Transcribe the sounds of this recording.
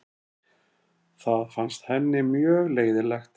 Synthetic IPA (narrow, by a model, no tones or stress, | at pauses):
θaðfanst̪hɛnːɪmjœːɣleːjðɪlɛxt̪